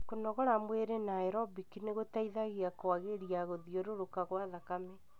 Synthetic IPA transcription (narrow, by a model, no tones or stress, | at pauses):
konɔɣoɾamweɾenaɛɾɔbikineɣotaiðaɣiakoaɣeɾiaɣoðioɾoɾokaɣwaðakame